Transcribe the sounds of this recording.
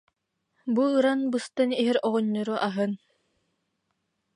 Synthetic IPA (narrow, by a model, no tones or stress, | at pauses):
buɯɾanbɯst̪ɯniɦiɾɔʁɔɲːɔɾuʔaɦɯn